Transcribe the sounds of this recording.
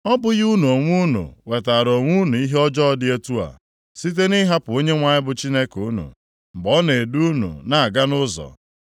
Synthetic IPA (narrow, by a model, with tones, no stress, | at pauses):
ɔ˦bʊ˦ɣu˦nu˨o˨ŋʷu˦nṵ˨we˨ta˨ɾo˨ŋʷu˦nu˨i˦ɦe˦ɔ˦d͡ʒɔ˦ɔ˦dɪ˦e˦tu˦a̰˨ | si˦t̬e˦ni˦ɦa˦pʊ˨o˦ɲe˦ŋʷa˨ɲɪ˦bʊ˦t͡ʃi˦ne˦ku˦nṵ˨ | m̩˨bɔ˦ne˨e˨du˦nṵ˨na˨a˨ɡa˦nʊ˦zɔ̰˨